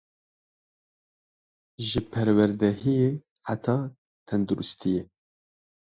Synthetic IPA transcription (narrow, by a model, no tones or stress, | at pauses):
ʒɨpʰɛɾwɛɾd̪ɛɦijeː | ħat̪ʰɑː | t̪ʰɛnd̪uɾust̪ʰijɛ